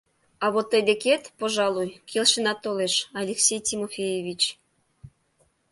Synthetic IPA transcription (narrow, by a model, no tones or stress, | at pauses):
ɑβot̪ːed̪eket̪poʒɑlˠujkʰelʲʃenɑt̪ːoleʃɑlʲeksʲejt̪ʲimofʲejeβʲit͡ɕ